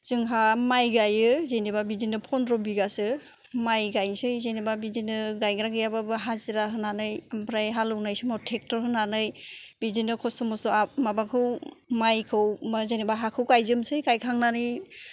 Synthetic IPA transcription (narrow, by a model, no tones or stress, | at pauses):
z̥ɯŋɦamajɡajɯzenibabidinɯpʰɔnɾɔbiɡasɯ | majɡajsɯjzenibabidinɯɡajɡɾaɡɯjababɯɦaziɾaɦɯnanɯjampɾajɦalɯwnajsɯmatʰek̚tɔɾhɯnanɯj | bidinɯkʰɔsɔmɔsɔamabakʰɯw | majkʰɯwmazenibaɦakʰɯwkajzɯmsɯjkajkʰaŋnanɯj